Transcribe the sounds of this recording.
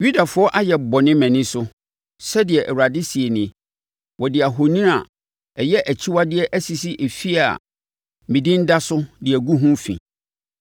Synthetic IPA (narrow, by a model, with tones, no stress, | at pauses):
ju˦da˨fʊ˨˦ɔ˦ʔa˦jɛ˨bɔ˨nɪ̃˦mæ̃˨nɪ̃˦sʊ˦ | sɛ˦dɪ˨ɛ˨ʔɛ˨wɾa˨dɪ˦si˨ɛ˨nɪ̃˨ | wɔ˨dɪ˨a˨ɦo˨nĩ˦a̰˨ | ɛ˨jɛ˦ʔæ˨t͡ɕʰi˦wa˦dɪ˦ɛ˦ʔæ˦si˨si˦ʔe˨fi˦a˨ | mĩ˨dɪ̃˦n̩˦da˦sʊ˦dɪ˨ɛ˨ɡu˦ɦũ˦fḭ̃˨